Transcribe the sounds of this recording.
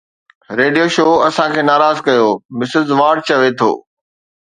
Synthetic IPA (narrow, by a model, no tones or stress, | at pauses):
ɾeːɖijoʃoːɐsãkʰeːnaːɾaːzkɐjoːmɪsɪzʋaːɾɖ̚t͡ɕɐʋet̪ʰo̰ː